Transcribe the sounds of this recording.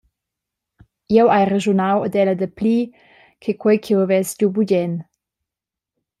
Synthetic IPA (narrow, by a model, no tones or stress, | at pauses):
jɛwajreʒunawəd̪ɛləd̪əpliː | kʰekʰwɔjkʰiwəvɛsɟubuɟɛn